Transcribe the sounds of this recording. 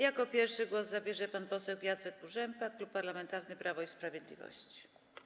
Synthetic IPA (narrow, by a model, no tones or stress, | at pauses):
jakɔpʲjɛɾfʂɘɡwɔszabʲjɛʐɛpanpɔsɛwjat̪sɛkuʐɛmpaklupːaɾlamɛnt̪aɾnɘpɾʔavɔispɾavʲjed̪lʲḭvɔ̰ɕt͡ɕi̥